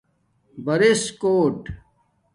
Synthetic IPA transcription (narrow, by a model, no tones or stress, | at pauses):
bɐɾiskoːʈ